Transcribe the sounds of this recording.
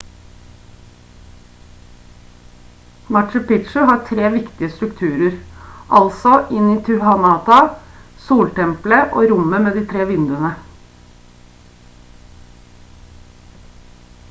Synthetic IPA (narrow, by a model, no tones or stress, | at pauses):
mɑʈʃəpɪt̪ʃəlɦɑːʈʰɾeːʋɪkt̪ɪəst̪ɾʉkt̪ʰʉːɾəɾʔɑlsɔʔɪniːt̪ʰʉhɑnɑːt̪ɑsuːlʈɛmpləʔo̰ːɾʊməmeːd̪iːt̪ʰɾeːʋɪnd̪ʉənə